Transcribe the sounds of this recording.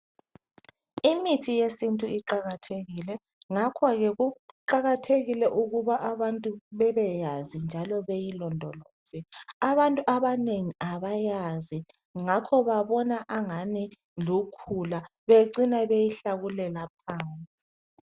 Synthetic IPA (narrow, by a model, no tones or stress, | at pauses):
imitʰijesintʼuiǃaɣatʰeɣilɛ | ŋakʰɔɣɛɣuǃaɣatʰeɣilɛʔuɣuβaʔaβantʼuβɛβɛjazind͡ʒʱalɔβejilɔndʱɔlɔːz̥iaβantʼuʔaβaneŋiaβajazi | ŋakʰɔβaβɔnaʔaŋani | lukʰulaβeǀinaβejiɬaɣulɛlap̚ʰaːnt͡sʼi̥